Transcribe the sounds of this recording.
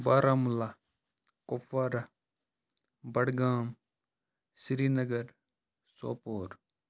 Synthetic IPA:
baːɾʔaːmula | kofɐɾɐ | bɐɽɡaːm | siɾiːnɐɡɐɾ | so̰ːpoːɾ

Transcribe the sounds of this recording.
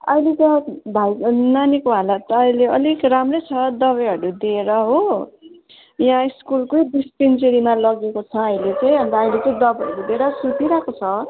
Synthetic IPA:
ʌ̰jlet͡sabʱajnanikoɦalat̪ːjleʌlikramrʌjt͡sʰʌd̪ʌβʌɦʌɾud̪ieɾʌɦo | jãiskulkojdispint͡seɾimalʌɡekot͡sʰʌʌjlet͡sʌj̃ʌnt̪aʌj̃let͡sʌĩd̪ʌbʌɦʌɾub̪eɽʌsuʈ̪iɾakot͡sʰʌ

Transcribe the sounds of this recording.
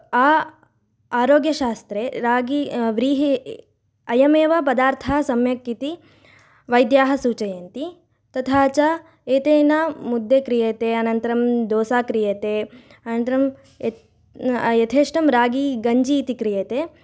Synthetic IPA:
aː | aːɾoːɡjɐʃaːst̪ɾeːɾaːɡiʋɾiːɦi | ɐjɐmeːʋɐpɐd̪aːɾt̪ʰaːɐsɐmjɐkːit̪i | ʋɐjd̪jaːɦɐsuːt͡ʃɐjeːnt̪i | t̪ɐt̪ʰaːt͡ʃa | eːt̪eːnaːmud̪ːekɾijeːt̪eːɐnɐnt̪ɐɾɐmd̪oːsaːkɾijeːt̪eː | ɐnɐnt̪ɐɾɐm | jɐt̪ʰeːʂʈɐmɾaːɡiɡɐɲd͡ʒiːt̪ikɾijeːt̪eː

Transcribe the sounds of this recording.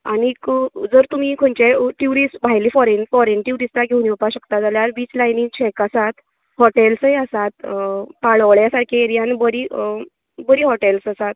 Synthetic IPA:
añikd͡zəɾt̪um̤ikʰõnt͡ɕeʈjuɾisbʱajliːfɔɾenfɔɾenʈjuɾist̪aɡʱeuniupaɕəkt̪ad͡zaljaɾʋiːt͡slajniŋt͡ɕʰɛkasat̪ | hɔʈelsəjasat̪̚paɭʋɭjasaɾkʰeeɾijãnbəɾi | bəɾiːɦɔʈelsasat̪̚

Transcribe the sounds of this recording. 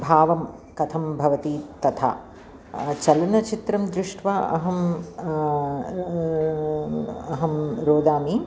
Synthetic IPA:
bʱaːʋɐm | kɐt̪ʰɐmbʱɐʋɐt̪it̪ɐt̪ʰa̰ː | t͡ʃɐlɐnɐt͡ʃit̪ɾɐmd̪ɾuʂʈʰʋaɐ̰ɦɐm | ɐɦɐmɾoːd̪aːmi

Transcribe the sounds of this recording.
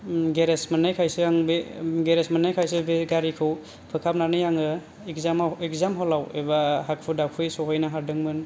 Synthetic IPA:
ɡeɾesmanajkʰajsɯaŋbeɡeɾesmanajkʰajsɯbeɡaɾikʰɯw | pʰɯkʰap̚nanɯjaŋɯ | kzamekzamɦɔlawebahak̚pʰudakʰɯjsɔɦɔjnaɦaɾdɯŋmɯn

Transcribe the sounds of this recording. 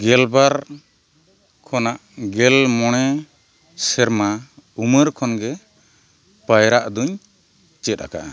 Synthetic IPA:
ɡɛlbaɾ | kʰɔnaʔɡɛlmɔɽ̃ɛ | sɛɾmauməɾkʰɔnɡɛ | pəjɾaʔd̪uɲ | t͡ʃɛt̪̚ˀa̰ka̰ʔa

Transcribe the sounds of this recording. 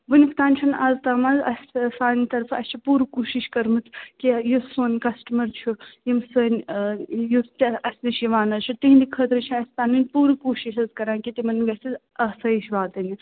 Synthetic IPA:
ʋɨnift̪aːnʲt͡ʃʰunaːzt̪aːmɐzɐsʲsaːnit̪ɐɾfɐsʲt͡ʃʰupuːɾkuːʃiʃkɐɾmɨt͡s̪ʰkijusoːnkɐsʈɐmɐɾt͡ʃʰujimsɐnʲ | just̪ɐsʲnɐʃjiʋaːnɐzt͡ʃʰut̪iɦnd̪ikʰət̪ɾɨt͡ʃʰuɐsʲt̪aːninʲpuːɾkuːʃiʃɐzkɐɾãːnkit̪imɐnɡʲɐsiz | ɐsɐjiʃʋaːt̪ɨni

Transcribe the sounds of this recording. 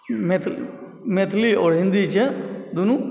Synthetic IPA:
met̪ʰ | met̪ʰlioɽ̤ĩnd̪it͡ʃʰed̪unu

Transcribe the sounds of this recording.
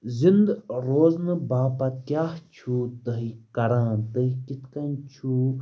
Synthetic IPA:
zind̪ɾoːznɨbaːpakjaːht͡ʃʰuːt̪əɦikɐɾãːt̪əɦikit̪ʰkɐnt͡ʃʰuː

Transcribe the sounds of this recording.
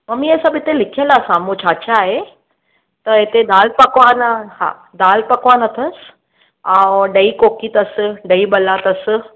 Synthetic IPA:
mɐmiɛːsãbɪt̪elɪkʰijə̃laːsãːmũt͡ɕʰaːt͡ɕaːɦe | t̪ɐɪt̪ed̪aːlpɐkʋanha̰ː | d̪aːlpɐkʋanɐt̪ʰəs | ãːɗɐikoːkit̪ɐsɖɐiɓɐlat̪ɐs

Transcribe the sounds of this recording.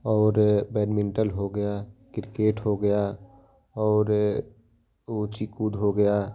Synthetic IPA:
ɔːɾbɛːɖmɪ̃ɳʈəlɦoɡəjakɪɾkeːʈɦoɡəja | ɔːɾ | ot͡ʃikuːd̪ɦoɡəja

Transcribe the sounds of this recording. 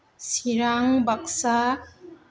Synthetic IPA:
siɾaŋbaksa

